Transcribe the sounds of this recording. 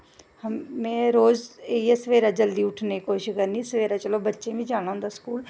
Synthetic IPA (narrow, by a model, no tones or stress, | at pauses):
həmmẽːɾoːzeiesəʋeːɾaːd͡ʒəld̪iːʊʈʰnekoːiʃɪkəɾnĩːsəʋeːɾaːt͡ʃəloːbətːʃẽːʋĩːd͡ʒaːɽ̃ãɦʊ̃nd̪aːskuːl